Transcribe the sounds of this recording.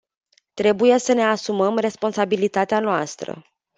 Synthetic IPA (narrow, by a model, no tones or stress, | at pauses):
t̪ɾe̞buje̞səne̞asuməmre̞spo̞nsabilit̪at̪eanoast̪ɾə̰